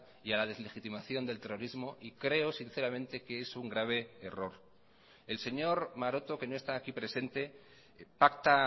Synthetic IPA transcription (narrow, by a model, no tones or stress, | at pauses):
ialaðe̞zle̞xit̪imaθjo̞nd̪e̞lt̪e̞ro̞ɾizmo̞ʔikɾe̞o̞sinθe̞ɾamẽnt̪e̞keesuŋɡɾaβ̞e̞ːro̞ɾ | e̞lse̞ɲo̞ɾmaɾo̞t̪o̞ke̞no̞e̞st̪aːkipɾe̞se̞nt̪e̞ | pakt̪a